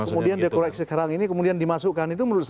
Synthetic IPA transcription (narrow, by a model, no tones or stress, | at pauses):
əmudiandiakoɾɛk̚sɛkaɾaŋinikəmudiandimasuʔkanit̪uməɾut̪̚s